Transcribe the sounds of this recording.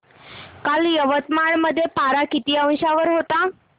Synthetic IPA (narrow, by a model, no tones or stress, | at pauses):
kaljəʋət̪maɳməd̪ʱːjepaɾakit̪iːə̃w̃ɕaʋəɾɦot̪a